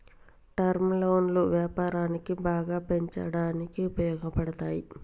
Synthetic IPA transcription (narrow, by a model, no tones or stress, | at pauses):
ʈɐɾmlɐwnluʋjaːpaːɾaːnikibaːɡaːpe̞ɲt͡ʃɐ̰ɽaːnikiupɐjɔːɡɐpɐɽɐt̪aːji